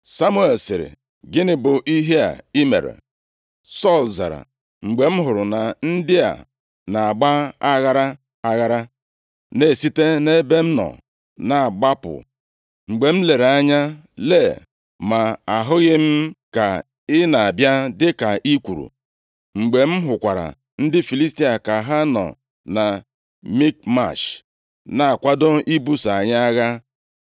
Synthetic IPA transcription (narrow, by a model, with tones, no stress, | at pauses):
sa˦mu˦e˨lsɪ˨ɾɪ̰˨ | ɡɪ˦nɪ˨bʊ˨ʔi˦ɦe˦a̰˨i˦mḛ˨ɾḛ˨ | sɔ˦˨lza̰˨ɾa̰˨ | ŋ͡m̩˨ɡ͡be˨m̩˦ɦʊ˨ɾʊ˨na˨n̩˦dɪ˦a̰˨ | na˨a˨ɡ͡ba˦a˦ɣa˦ɾa˦ | a˨ɣa˦ɾa˦ | ne˨si˦te˦ne˦be˦m̩˦nɔ̰˨ | na˨a˨ɡ͡ba˦pʊ̰˨ | ŋ͡m̩˨ɡ͡be˨m̩˦le˨ɾa˦ɲa˦ | le˦˨ | ma˨a˨ɦʊ˦ɣɪ˦m̩˦ka˨ | ɪ˦na˨a˨bja˦dɪ˦ka˨ʔi˦kʷu˨ɾṵ˨ | ŋ͡m̩˨ɡ͡be˨m̩˦ɦʊ˨kʷa˨ɾa̰˨ | n̩˦dɪ˦fi˨li˦sti˦a˨ka˨ɦa˦nɔ̰˨ | na˨ | mi˦k̚ma̰˨ʃ | na˨a˨kʷa˦do˦ʔi˦bu˦sa˨ɲa˦a˦ɣa˦